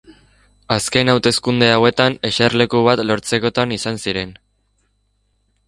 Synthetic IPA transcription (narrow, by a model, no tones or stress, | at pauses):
aske̞nawt̪e̞skund̪e̞awe̞t̪ane̞ʃeɾrle̞kuβ̞at̪lo̞ɾt͡se̞ko̞t̪anisansiɾe̞n